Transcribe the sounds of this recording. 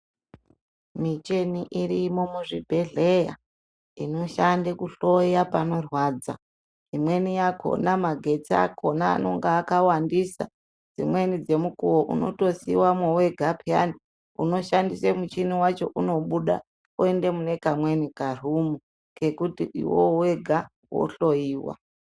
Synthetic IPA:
mit͡ʃeniʔiɾimo̞muʐibʱe̞ɮeja̰ | ino̞ʃandekuɬo̞japano̞rwaːd͡za̰ | imwe̞nijakʰo̰namaɡʱe̞t͡sia̰kʰo̞na̰ːno̞̰ŋɡaːkawandisa̰ | d͡zḭmwe̞nid͡ze̞mukuwoʔṵno̞̰to̞siwamwoweɡʱapʰija̰ni | ṵno̞ʃandisemut͡ʃiniwat͡ʃo̞̰ʔuno̞ɓuɗa̰ | ue̞nde̞mune̞kamwe̞nikar̤umu | ke̞kutiḭwo̰weɡʱa | wo̰ɬo̞jiːwa̰

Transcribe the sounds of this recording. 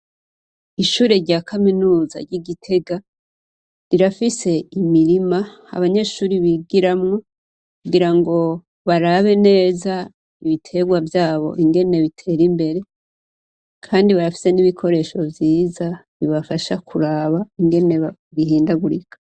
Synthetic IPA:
iʃuːɾe̞ɾɟaːkʰaminuːza̰ɾɟiɡitʰe̞ɡa | ɾiɾafise̞imiɾima | a̰βaɲe̞ʃuːɾiβiɡiɾamŋo̞ | kuɡiɾaŋɡo̞ | βaɾaβe̞ne̞ːza | iβitʰe̞ɡwavjaːβo̞̰ʔiŋɡe̞ne̞βitʰe̞ɾimbe̞ɾe̞ | kʰaːndiβaɾafi̥se̞niβikʰo̞ɾe̞ʃo̞vjiːza | βiβafaʃakʰuɾaːβaiŋɡe̞ne̞ɡiɦiːndaɡuɾikʰḁ

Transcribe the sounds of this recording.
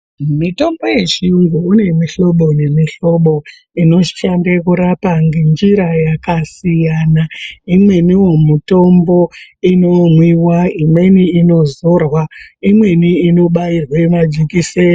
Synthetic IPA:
umito̞mbo̞je̞ʒiuŋɡuːne̞miɬo̞ɓo̞ne̞miɬo̞ɓo̞ | ino̞ʃʃandekuɾapaŋɡend͡ʒiɾajakasijanaimwe̞niwomuto̞mbo̞ino̞mwiwaimwe̞niino̞zorwaimwe̞niino̞ɓairwamad͡ʒikise

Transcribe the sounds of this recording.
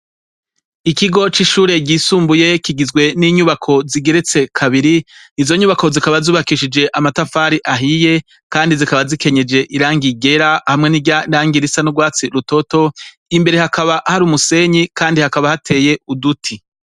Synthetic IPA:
ikiɡo̞t͡ʃiʃuːɾe̞ɟiːsuːmbuje̞kiɡizɡwe̞niːɲuβakʰo̞ziɡe̞ɾet͡se̞kʰaβiɾiizo̞ɲuːβako̞zikaβazuːβakiːʃid͡ʒe̞ʔamatafaːɾiʔaɦije̞ | kaːndizikaβazike̞ɲe̞d͡ʒe̞ʔiɾaːŋɡiɡe̞ɾahamŋe̞niɟanaːŋɡiɾisanuɡwaːt͡siɾuto̞to̞ | imbe̞ɾe̞hakʰaβahaɾuːmuse̞ɲikaːndihakaβahatʰe̞ːje̞udutʰi

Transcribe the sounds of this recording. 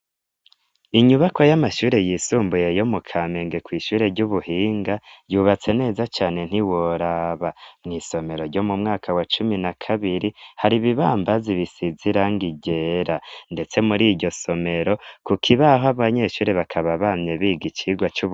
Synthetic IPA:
iɲuβako̞jamaʃuːɾe̞jiːsuːmbuje̞jo̞mukʰame̞ŋɡe̞kwiːʃuːɾe̞ɾɟuβuhiːŋɡajuːβat͡se̞ne̞ːzat͡ʃaːne̞n̥iwoɾaβamŋiːso̞me̞ɾo̞ɾɟo̞mumŋaːkʰawat͡ʃuminakʰaβiɾihaɾiβiβaːmbaziβisiziɾaŋɡiɟe̞ɾande̞t͡se̞muɾiɟo̞so̞me̞ɾo̞kukʰiβaɦaβaɲe̞ʃuːɾe̞βakʰaβaβamɲe̞βiːɡit͡ʃiɡwat͡ʃu

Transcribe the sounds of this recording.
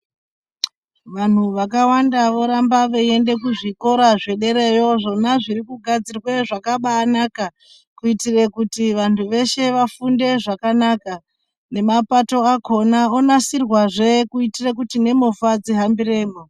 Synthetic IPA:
ʋan̤uʋakawandaʋo̞ɾambaʋee̞nde̞kuʐiko̞ɾaʐe̞ɗe̞ɾe̞jo̞ʐo̞naʐiɾikuɡʱad͡zirwe̞ʐakaɓaːnaka | kuitire̞kutiʋantʰuʋe̞ʃe̞ʋafunde̞ʐakanaka | ne̞mapato̞ako̞naonasirwaʐe̞kuitirek̬utine̞mofad͡ziɦambire̞ːmo

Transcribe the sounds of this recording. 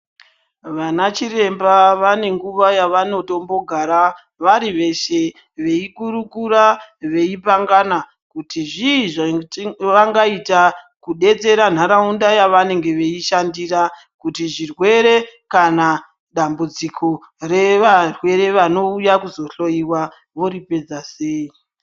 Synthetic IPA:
ʋanat͡ʃire̞mbaʋane̞ŋɡuʋajaʋano̞to̞mbo̞ɡʱaɾa | ʋaɾiʋe̞ʃe̞ | ʋe̞ikuɾukuraʋe̞ip̬aŋɡana | kutiʐiʐ | ʋaŋɡaita | kuɗe̞t͡se̞ɾan̤aɾaundajaʋane̞ŋɡe̞ʋe̞iʃandira | kutiʐirwe̞ɾe̞kana | ɗambud͡zikʰo | re̞ʋarwe̞ɾe̞ʋano̞ujakuzo̞ɬo̞jiwa | ʋo̞ɾipe̞d͡zase̞ːi

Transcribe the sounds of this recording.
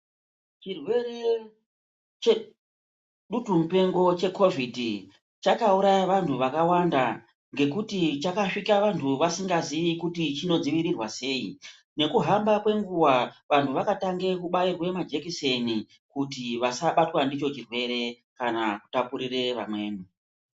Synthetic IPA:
t͡ʃirwe̞re | t͡ʃe | ɗutumupe̞ŋɡo̞t͡ʃe̞ko̞vʱidʱi | t͡ʃakauɾajaʋantʰuʋakawanda | ŋɡe̞kutit͡ʃakaʂikaʋantʰuʋasiŋɡaziʋikutit͡ʃino̞d͡ziʋiɾirwase̞ːi | ne̞kuɦambakwe̞ŋɡuwaʋantuʋakataŋɡe̞kuɓairwe̞mad͡ʒe̞kise̞ni | kutiʋasaɓatwandit͡ʃo̞t͡ʃirwe̞ɾe̞ | kanaku̥tapuɾire̞ʋa̰mwe̞̰ːnu

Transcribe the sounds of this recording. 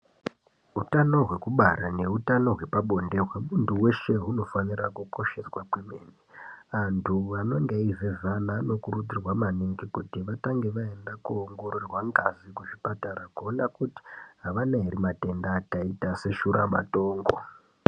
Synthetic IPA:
utano̞ɦwe̞kuɓaɾane̞utano̞ɦwe̞paɓo̞nde̞kwamunduwe̞ʃe̞ɦuno̞fanirakuko̞ʃe̞swakwemḛːniʋantʰuʋano̞ŋɡeivevanaːno̞kurud͡zirwamaneŋɡikutiʋataŋɡe̞ʋae̞ndakuoŋɡo̞ɾurwaŋɡazikuʐipataɾakuonakuti̥ɦaʋanaiɾimate̞ndaːtaitase̞ʃuɾa̰ma̰to̞ːŋɡo̞̰

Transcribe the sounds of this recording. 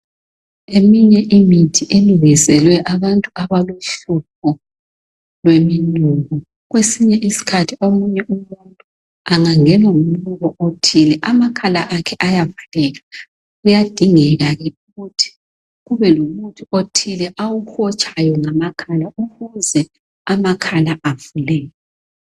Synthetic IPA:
emiɲɛʔimitʰiʔeluɣisɛlwɛʔaβantʼuaβaluɬup̚ʰɔ | lwemiluːɣɔ | ɣwesiɲɛʔisi̥kʰatʰiomuɲɛʔumuntʼu | aŋaŋɛnom̩luɣɔʔotʰilɛʔamakʰalaʔakʰɛʔajavulɛɣa | ɣujad̥ʱiŋɛɣaɣɛuɣutʰi̥ | ɣuβɛlomutʰuotʰilɛʔawuxɔt͡ʃʰʼajɔŋamakʰalauɣuzɛ | amakʰalaʔavulɛːjɔ

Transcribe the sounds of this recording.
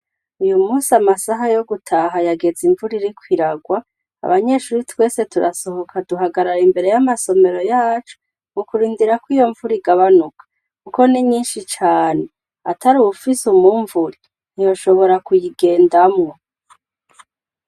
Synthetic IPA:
ujumuːsiamasaɦajo̞ɡutʰaɦajaɡe̞ziɱvuɾiɾikwiɾaɡwa | a̰βaɲe̞ʃuɾitwe̞ːse̞tuɾaso̞ɦo̞kʰaduɦaɡaɾaɾimbe̞ɾe̞jamaso̞me̞ɾo̞jaːt͡ʃo̥ | mukuɾiːndiɾakwijo̞ɱvuɾiɡaβanukʰḁ | kuko̞niɲiːnʃit͡ʃaːne̞ | atʰaɾuufisumuɱvuɾi | nijo̞ʃo̞βo̞ɾakujiɡe̞ːndamŋo

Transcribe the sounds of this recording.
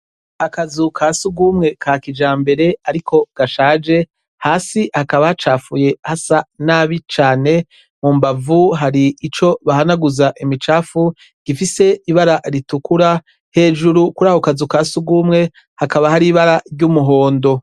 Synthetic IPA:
akazukʰasuɡuːmŋe̞kʰakid͡ʒaːmbe̞ɾe̞aɾikʰo̞ɡ̥aʃaːd͡ʒe̞ | haːsihakaβahat͡ʃaːfuje̞hasanaːβit͡ʃaːne̞ | mumbavuɦaɾiːt͡ʃo̞βaɦanaɡuzaʔimit͡ʃaːfu | ɡ̥ifise̞iβaɾaɾitukuɾa | he̞ːd͡ʒuɾukuɾaːhokazukaːsuɡuːmŋe̞ | hakaβahaɾiːβaɾaɾɟuːmuɦo̞ːndo̞

